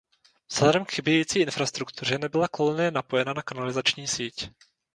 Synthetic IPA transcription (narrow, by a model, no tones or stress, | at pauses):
z̥lɛdɛmkxɪbɛjiːt͡siːʔɪnfɾast̪ɾukt̪ur̝ɛnɛbɪlakolunɪjɛnapo̞jɛnanakanalɪzat͡ʃɲiːsiːc